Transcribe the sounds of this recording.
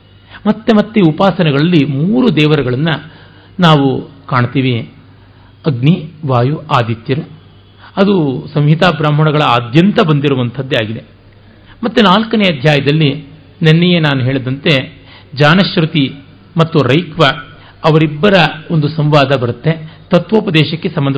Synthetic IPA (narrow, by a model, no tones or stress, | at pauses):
mɐt̪ːemɐt̪ːeupaːsɐnɛɡɐɭɐlːimuːɾud̪ɛːʋɐɾɐɡɐɭɐnːɐ | naːʋukaːɳt̪iːʋi | ɐɡniʋaːjuʔaːd̪it̪ːiɾu | ɐd̪usɐmɦit̪aːbɾaːm̤ɐɳɐɡɐɭɐaːd̪ʱjɐnt̪ɐbɐnd̪iɾuʋɐnt̪ʰɐd̪ːeaːɡid̪e̞ | mɐt̪ːunaːlkɐnejɐd̪ʱjaːjɐd̪ɐlːi | nenːejenaːnuɦeːɭid̪ɐnt̪e̞ | d͡ʒaːnɐʃɾut̪i | mɐt̪ːuɾɐjkʋɐ | ɐʋɐɾibːɐɾɐond̪usɐmʋaːd̪ɐbɐɾut̪ːe̞t̪ɐt̪ʋoːpɐd̪ɛːʃɐkːe̞sɐmbɐnd̪ɐ